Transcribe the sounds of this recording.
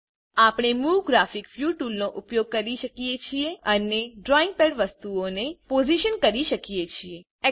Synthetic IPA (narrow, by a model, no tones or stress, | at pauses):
apɽ̃emuʋɡɾafikfjuʈulnoʔupjoɡ̚kəɾiʃəkijet͡ʃʰieəneɖɾɔĩŋɡ̚pɛɽʋəst̪uonepoziʃənkəɾiʃəkijet͡ʃʰie | ɛ